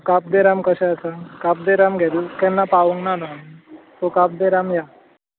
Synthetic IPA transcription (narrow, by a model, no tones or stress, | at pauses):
kap̚d̪eɾamkəɕɛətakap̚d̪eɾamɡʱɛd̪ukɛnːapaʋũŋɡnanant̪okap̚d̪eɾamja